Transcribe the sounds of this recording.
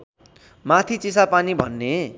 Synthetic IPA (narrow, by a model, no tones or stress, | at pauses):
mat̪ʰit͡sisapanibʱʌnːe